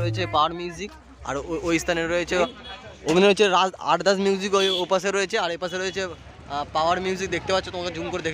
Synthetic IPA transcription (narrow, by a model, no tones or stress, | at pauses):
ojet͡ɕʰepaaɾmjuzik | a̰ɾojst̪ʰaneɾoet͡ɕʰeobʱinɾoeeɾaa̰ʈd̪asmjuzikoopaseɾːoet͡ɕʰeaɾepaseɾoee | paaɾmjuzik̚d̪ek̚t̪epat̪ːɕʰet̪omaked͡ʑumkoɾed̪ekʰ